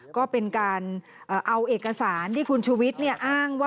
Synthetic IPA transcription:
kɔː˥˩pe˧nkaː˧n | ʔɤː˨˩ʔa˧wʔeː˨˩k̚kːa˧saː˩˦nt̪iː˥˩kʰu˧nt͡ɕʰuː˧wi˦˥t̪̚ni˥˩ɐʔaː˥˩ŋwaː˥˩

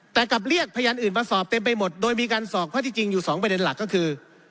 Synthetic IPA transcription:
t̪ɛː˨˩ka˨˩p̚li˥˩ək̚pʰaː˧jaː˧nʔɯː˨˩nmaː˧sɔː˨˩p̚t̪e˧mpa˧jmo˨˩t̪̚doː˧jmiː˧kaː˧nsɔː˨˩k̚ʰaː˥˩t̪ʰiː˧t͡ɕi˧ŋjuː˨˩sɔː˩˦ŋpɾa˧de˧nla˨˩kːɔː˥˩kʰɯː˧

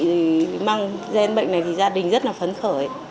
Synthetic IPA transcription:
maː˧ŋzɛ˧nɓə̰˧˨ŋna˨˩jt̪ʰi˨˩zaː˧ɗï˨˩ŋ̟zə˦˥t̚laː˨˩fə˨˦nxəː˧˩˨

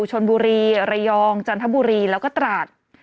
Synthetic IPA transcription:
t͡ɕʰo˧nbuː˧ɾiː˧ɾa˧jɔː˧ŋt͡ɕa˧nt̪ʰa˦˥buː˧ɾiː˧lɛː˦˥wkɔː˥˩t̪ɾaː˨˩t̪̚

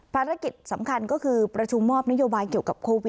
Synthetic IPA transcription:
pʰaː˧ɾa˦˥ki˨˩t̪̚sa˩˦mkʰa˧nkɔː˥˩kʰɯː˧pɾa˧t͡ɕʰu˧mːɔː˥˩p̚na˥joː˧baː˧jki˨˩əwka˨˩p̚kʰoː˧wi˨˩

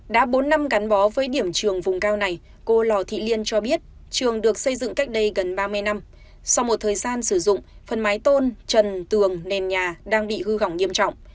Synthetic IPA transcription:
ɗa̰ː˧˥ɓo˨˦nːa˧mɣa˨˦ŋɓɔ˨˦vəː˨˦jɗi˧˩əmt͡ɕɨ˨˩əŋvʊ˨˩ŋ͡mkaː˧wna˨˩j | ko˧lɔ˨˩t̪ʰḭ˧˨li˧ənt͡ɕɔ˧ɓi˦˥ət̚ | t͡ɕɨ˨˩əŋɗɨ˨˩ək̚sə˧jzɨ̰˧˨ŋka˦˥jk̟̚ɗə˧jɣə˨˩nɓaː˧mɨ˧əjna˧m | sa˧wmo˨˩t̚t̪ʰəː˨˩jzaː˧nsɨ˧˩zʊ̰˧˨ŋ͡m | fə˨˩nmaː˨˦jt̪o˧nt͡ɕə˨˩nt̪ɨ˨˩əŋnɛ˨˩nɲaː˨˩ɗaː˧ŋɓḭ˧˨hɨ˧ɣa˧˩wɲi˧əmt͡ɕɔ̰˧˨wŋ͡m

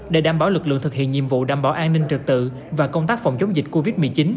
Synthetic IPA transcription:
ɗe˨˧˩ɗaː˧˩mɓaː˧˩˦wlɨ˨˩k̚lɨ̰˧˨ət̪ɨ˨˩k̚hḭ˧˨ənɲḭ˧˨əmvṵ˧˨ɗaː˧˩mɓaː˧˩wʔaː˧ŋnï˧ŋ̟t͡ɕɨ˨˩t̪ɨ̰˧˨ | vaː˨˩kə˧wŋ͡mt̪aː˦˥k̚fɔ˨˩wŋ͡mt͡ɕə˨˦ŋ͡mzï˨˩k̚ko˧vi˦˥t̚mɨ˨˩t͡ɕi˨˦n

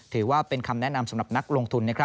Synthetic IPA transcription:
t̪ʰɯː˩˦waː˥˩pe˧nkʰa˧mnɛ˦˥ʔna˧msa˨˩˦mɾa˨˩p̚na˦˥k̚lo˧ŋt̪ʰu˧nː˥˩kʰɾa˦˥

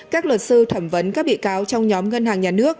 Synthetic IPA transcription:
kaː˦˥k̚wə˨˩t̚sɨ˧t̪ʰə˧˩mvə˨˦nkaː˦˥k̚ɓḭ˧˨kaː˨˦wt͡ɕɔ˧wŋ͡mɲɔ˨˦mŋə˧nhɦaː˨˩ŋɲaː˨˩nɨ˦˥ək̚

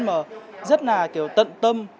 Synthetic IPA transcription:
məː˨˩zə˦˥t̚naː˨˩ki˨˩əwt̪ə̰˧˨nt̪ə˧m

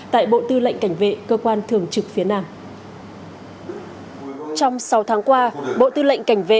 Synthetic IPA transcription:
t̪a̰ː˧˨jɓo̰˧˨t̪ɨ˧lə̰˧˨jŋ̟ka˧˩jŋ̟vḛ˧˨kəː˧kwaː˧nt̪ʰɨ˨˩əŋt͡ɕɨ˨˩k̚fi˨˦ənaː˧m | t͡ɕɔ˧wŋ͡msa˨˦wt̪ʰaː˨˦ŋkwaː˧ɓo̰˧˨t̪ɨ˧lə̰˧˨jŋ̟ka˧˩jŋ̟vḛ˧˨

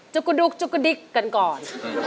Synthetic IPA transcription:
t͡ɕu˧kːu˧du˧k̚t͡ɕu˧kːu˧di˦˧˦kːa˧˨nkɔː˨˩n

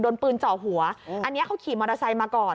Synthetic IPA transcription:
doː˧npɯː˧nt͡ɕɔː˨˩ɦu˨˩˦ɐʔa˧nː˦˥ɐkʰa˦˥wkʰiː˨˩˦mɔː˧ɾaː˧sa˧jmaː˧kɔː˨˩

